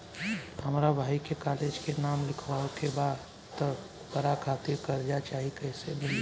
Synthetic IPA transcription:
hɐmɾabʱaːikekaːleːd͡ʒkenaːmlɪkʰʋaokebaːd̪ | t̪ə | pəɾakʰaːt̪ɪɾkɐɾd͡ʒat͡ʃaːɦikɐɦsenɪ

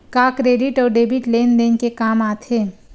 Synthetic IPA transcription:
kaːkɾeːɖɪʈɔːɾɖeːbiʈleːnd̪eːnkekaːmaːt̪ʰeː

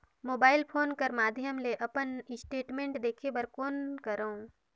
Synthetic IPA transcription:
moːbaːɪlpʰoːnkəɾmaːd̪ʱjəmleʔɐpənɪsʈeːʈmẽːɳʈd̪eːkʰebəɾkoːnkɐɾõ

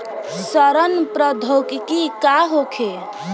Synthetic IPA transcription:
səɾənpɾəd̪ʱokikikaɦokʰe

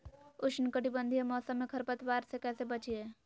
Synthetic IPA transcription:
ʊʃnkəʈibə̃nd̪ʱiemɔːsə̃mːẽkʰɐɾpət̪waːɾsekɛːsebɐt͡ʃieː

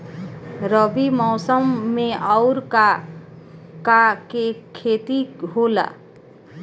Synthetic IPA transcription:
ɾʌbimɔʊsəmːẽaʊɾka | kakekʰet̪iɦola̰

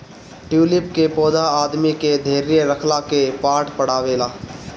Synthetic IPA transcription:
ʈjuːlɪp̚kepɔːd̪aaːd̪miked̪ʱeːɾijeɾəkʰlakepaːʈʰpəɽ̤aːʋeːlaː

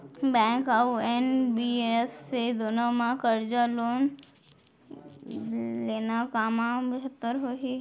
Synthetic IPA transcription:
bɛ̃ːŋkəenbiefsed̪oːnomãkəɾd͡ʒaloːn | leːnakaːmãbɪɦət̪ːəɾɦoːɦi

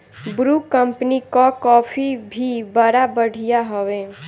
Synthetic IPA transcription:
bɾukəmpnikakɔːpʰibʱibəɾabəɽ̤ijaɦəʋeː

